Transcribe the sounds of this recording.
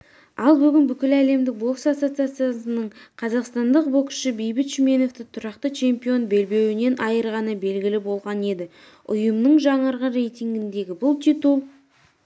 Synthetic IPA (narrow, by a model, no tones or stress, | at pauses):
ɑlˠbʏɡʲɪnbʏkʲɪlæle̞md̪ɪk̚bo̞ksasot̪sɨat̪sɨjasənəɴqʰɑzɑqst̪ɑnd̪əq̚bo̞ksʃəbe̞jbɪt̪ʃmʲe̞no̞ft̪ɪt̪ʰʊɾɑqt̪ət͡ʃʰe̞mpijo̞nbe̞lbe̞wɪne̞nʔɑjəɾʁɑnəbe̞lɡʲɪlɪbo̞lˠʁɑne̞d̪ɪ | ʊ̰jəmnəɴʒɑɴəɾʁəɾe̞jt̪ʲiŋɡʲɪnd̪e̞ɡʲɪbʊlˠt̪ʰit̪ulˠ